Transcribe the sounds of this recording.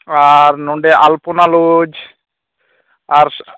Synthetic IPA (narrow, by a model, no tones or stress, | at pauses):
aɾnuɳɖeʔalpunalud͡ʒ | aɾs